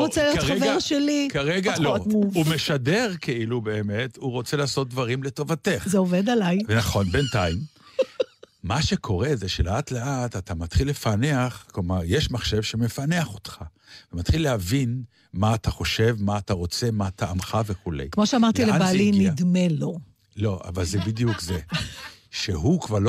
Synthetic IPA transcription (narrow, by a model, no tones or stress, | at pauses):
ʁot͡selijotχavɡeʁʃelikaʁeɡalomuvumeʃadeʁkʰeilube̞ːme̞tuʁo̞t͡selaːso̞t̪̚d̪vaʁimle̞to̞vateχzeoved̪alajvenaχo̞nbentaim | aʃe̞kʰo̞ʁezeʃeleatleʔatatamat̪χilːefane̞aχklomaʁjeʃmaχʃe̞vʃeme̞fane̞aχo̞t̪χa | vemat̪χilːehavin | maːtʰaχo̞ʃe̞vmaːtaʁo̞t͡se̞maːt̪aːmχaveχulḛjkmoʃeamaʁt̪ilebalinid̪melo | lo̞ʔa̰valzebid̪ijukze | ʃeɦukvaʁl